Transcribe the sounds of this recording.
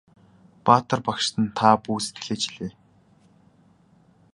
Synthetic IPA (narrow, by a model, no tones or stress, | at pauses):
paːt̪ə̆rpakʃt̪ə̆nt̪ʰapuːse̥t̪ɡɘ̆ɮeːt͡ɕiɮeː